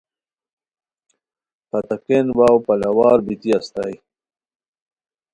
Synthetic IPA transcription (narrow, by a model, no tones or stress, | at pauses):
pɐt̪akenwaːwpɐlawɑːɾbit̪iast̪aj